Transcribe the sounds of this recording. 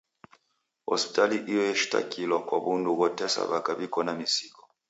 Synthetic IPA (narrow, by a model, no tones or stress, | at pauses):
hɔ̰spi̥taliʔijɔɛʃi̥ta̰kʰilɔkwaβunduɣɔtɛsa̰βakaβikɔnamisikɔ